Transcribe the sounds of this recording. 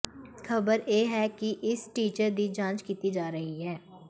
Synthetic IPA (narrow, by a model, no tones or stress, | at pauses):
xʰɐbəɾjeːɦɛːkiʔɪsʈiːt͡ʃəɾd̪id͡ʒãːt͡ʃkiːt̪id͡ʒaːɾɐɦiɦɛː